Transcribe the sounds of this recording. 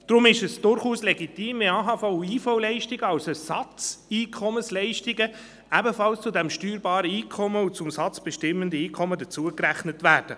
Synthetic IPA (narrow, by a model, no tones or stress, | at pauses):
d̥ɾʊmɪʃɛsd̥ʊɾχuːslɛɡitiːmiɑɦɑfɔʊiːfɔwlɛɪʃtɪɡəɑwsɛsɑt͡siːkʰɔmənslɛɪʃtɪɡə | æbəfɑlst͡sʊdɛmʃtyːɾbɑːɾəiːkʰɔməʊt͡sʊmsɑt͡sb̥ɛʃtɪmːəndəiːkʰɔmədət͡suəkræχnətvæːɾd̥ə